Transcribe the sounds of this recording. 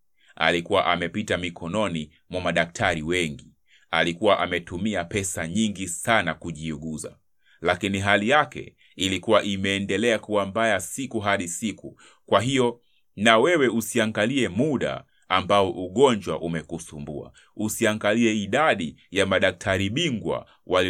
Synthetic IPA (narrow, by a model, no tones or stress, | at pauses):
a̰likuwaʔamɛpitamikʰɔnɔni | mwɔmaɗak̚tʰaɾiwɛŋɡi | a̰likuwaʔamɛtumiapɛsaɲiŋɡisanakuʄiuɠuza̰ | lakiniɦalijakɛ̰ | ilikuwaʔimɛːndɛlɛakuwambajasikuɦaɗisiku | kwaɦijɔ | nawɛwɛusiaŋɡaliɛmuɗa̰ː | mbaɔʔuɠɔɲd͡ʒwaʔumɛkusumbua̰ | usiaŋɡaliɛiɗaɗijamaɗak̚tʰaɾiɓiŋɡwa̰ | wʔal